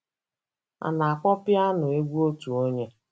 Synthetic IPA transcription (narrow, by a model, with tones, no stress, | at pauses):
a̰˨na˨a˨kʷɔ˦pja˦nʊ˨e˦ɡʷu˦o˦tu˨o˦ɲe˦